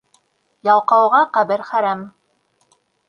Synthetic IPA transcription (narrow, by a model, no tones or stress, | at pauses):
jɑlˠqɑwʁɑqæbɘɾχæɾæm